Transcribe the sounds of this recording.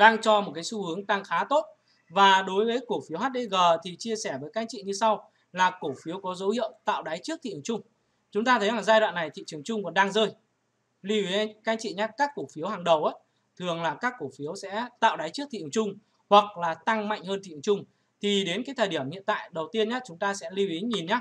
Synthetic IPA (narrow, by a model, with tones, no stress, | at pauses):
ɗaː˧ŋt͡ɕɔ˧m˨˩t̚kaː˨˦su˧hɨ˨˦əŋt̪a˧ŋxaː˨˦t̪o˦˥t̚ | vaː˨˩ɗo˨˦jvəː˨˦jku˧˩fi˨˦əwɦaː˦˥t̚ɗə˧jɣəː˨˩t̪ʰi˨˩t͡ɕi˧əsɛ˧˩vəː˨˦jkaː˧˥ŋt͡ɕḭ˧˨ɲɨ˧sa˧w | laː˨˩ko˧˩fi˨˦əwkɔ˨˦zo̰˧˦whḭ˧˨əwt̪a̰ː˧˨wɗa˨˦jt͡ɕɨ˦˥k̚t̪ʰḭ˧˨˩ŋ͡mt͡ɕʊ˧ŋ͡m | t͡ɕʊ˨˦ŋ͡mt̪aː˧t̪ʰə˨˦jlaː˨˩ŋzaː˧jɗwa̰ː˧˨nːa˨˩jt̪ʰḭ˧˨t͡ɕɨ˨˩ə˩ŋt͡ɕʊ˧ŋ͡mkɔ˨˩nɗaː˧ŋzəː˧j | li˧wi˨˦˧kaː˧˦ŋt͡ɕḭ˧˨ɲaː˦˥kaː˦˥kːu˧˩fi˨˦əwhaː˨˩ŋɗə˨˩wʔaː˨˦ | t̪ʰɨ˨˩əŋlaː˨˩kaː˦˥kːu˧˩fi˨˦əwsɛ̰˧˥t̪a̰ː˧˨wɗa˨˦jt͡ɕɨ˦˥ək̚t̪ḭ˧˨˩t͡ɕʊ˧ŋ͡m | hwa˨˩k̚laː˨˩t̪a˧ŋma̰˧˨jŋ̟həː˧nt̪ʰḭ˧˨˩t͡ɕʊ˧ŋ͡m | t̪ʰi˨˩ɗe˨˦nkaː˨˦t̪ʰəː˨˩ɗi˧˩əmhḭ˧˨ənt̪a̰ː˧˨jɗə˨˩wt̪i˧ənɲa˦˥t͡ɕʊ˨˦ŋ͡mt̪aː˧sɛ̰˧˥li˧wʔi˨˦ɲi˨˩nɲaː˦